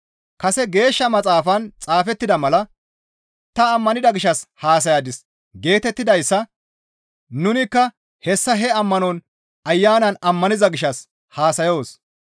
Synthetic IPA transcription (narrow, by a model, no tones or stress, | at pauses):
kɐsɛɡe̞ːʃːɐmɐt͡sʼaːfɐnt͡sʼaːfɛt̪ːɪd̪ɐmɐlɐ | t̪ɐːmːɐnɪd̪ɐɡɪʃːɐshaːs̬ɐjaːd̪ɪs | ɡe̞ːt̪ɛt̪ːɪd̪ɐjsːɐ | nʊnɪkːɐ | hɛsːɐɦɛɐmːɐnɔn | ɐjːaːnɐnɐmːɐnɪzɐɡɪʃːɐs | haːsɐjo̞ːs